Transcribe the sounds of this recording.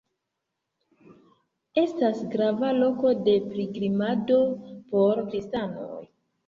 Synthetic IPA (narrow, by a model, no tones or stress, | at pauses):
e̞stasɡɾavalo̞ko̞de̞pɾiɡɾimado̞po̞ɾkɾistano̞̰j